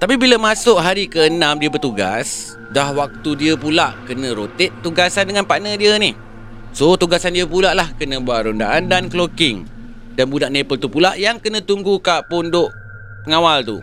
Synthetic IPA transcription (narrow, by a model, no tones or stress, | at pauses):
t̪apibiləmasʊʔɦaɾikəənãmdiəbərt̪uɡa̰s | dahwak̚t̪udiəpulaʔkənə̃ɾot̪ɪt̪ːuɡasandəŋanpaʔnə̃diənɪh | sot̪uɡasandiəpulaʔlahkənə̃buaʔɾondaʔandanklokɪŋ | danbudaʔnepəlt̪upulaʔjaŋkənə̃t̪uŋɡukaʔpʊndoʔ | pəŋawalt̪ṵ